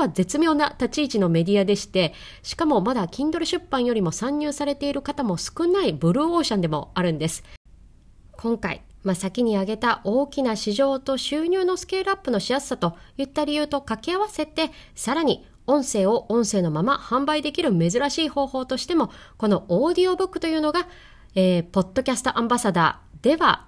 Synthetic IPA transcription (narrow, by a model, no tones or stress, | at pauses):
βaze̞t͡sɨmʲjo̞ːnat̪at͡ɕiːt͡ɕino̞me̞d̪ʲiad̪e̞ɕi̥t̪e̞ | ɕi̥kamo̞mad̪akʲĩnd̪o̞ɾɯ̟ɕɨpːãɰ̃jo̞ɾʲimo̞sãɲ̟ːɨːsaɾe̞t̪e̞iɾɯ̟kat̪amo̞sɨ̥kɯ̟naibɯ̟ɾɯ̟ːo̞ːɕãnd̪e̞mo̞̰aɾɯ̟̃nd̪e̞sɨ̥ | kʰõ̞ŋkaḭ | masakʲiɲ̟iaɡe̞t̪aʔo̞ːkʲinaɕiʑo̞ːt̪o̞ɕɨːɲ̟ʲɨːno̞sɨ̥ke̞ːɾɯ̟apːɯ̟no̞ɕiasɨ̥sat̪o̞jɯ̟t̪ːaɾʲijɯ̟ːt̪o̞kakʲiaβase̞t̪e̞saɾaɲ̟i | õ̞ɰ̃se̞ːo̞ʔõ̞ɰ̃se̞ːno̞mamahãmbaid̪e̞kʲiɾɯ̟me̞zɨɾaɕiːho̞ːho̞ːt̪o̞ɕi̥t̪e̞mo̞ko̞no̞oːd̪ʲio̞bɯ̟kːɯ̟̥t̪o̞jɯ̟ːno̞ɡa | eːpo̞t̪ːo̞kʲasɨ̥t̪o̞ʔãmbasad̪a̰ːd̪̥e̞βa̰